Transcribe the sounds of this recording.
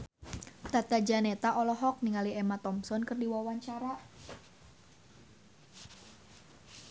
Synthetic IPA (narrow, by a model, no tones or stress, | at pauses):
t̪at̪ad͡ʒanet̪aʔɔlɔɦɔk̚niŋaliemat̪ɔmsɔnkɨrdiwawaɲt͡ʃaɾa